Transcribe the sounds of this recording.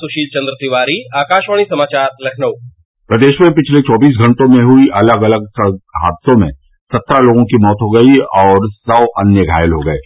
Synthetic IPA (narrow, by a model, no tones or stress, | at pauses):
sʊʃiːlt͡ʃɐ̃nd̪ɾət̪ɪʋaːɾiaːkaːʃʋaːɽ̃isɐmaːt͡ʃaːɾlɐkʰnəw | pɾɐd̪eːʃmẽpɪt͡ʃʰlet͡ʃɔːbiːs̬ɡʱɐ̃ɳʈõmẽɦʊiʔɐləɡɐləɡ̚səɦa̰ːd̪sõmḛ̃ | sɐt̪ːɾaloːɡõkimɔːt̪ɦoɡɐiɔːɾsɐʋʔɐnjəɡʱa̰ːjəlɦoɡɐeː